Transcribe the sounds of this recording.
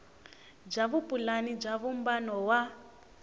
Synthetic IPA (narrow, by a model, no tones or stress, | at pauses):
b͡ʐaβupulanib͡ʐaβumbanɔwa